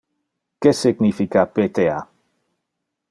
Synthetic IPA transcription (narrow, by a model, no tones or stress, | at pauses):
kesɪɡnifikapet̪ea